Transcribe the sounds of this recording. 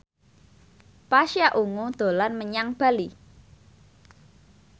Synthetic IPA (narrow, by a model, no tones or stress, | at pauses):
paʃjaʔuŋud̪̥o̤lanməɲaŋb̥a̤li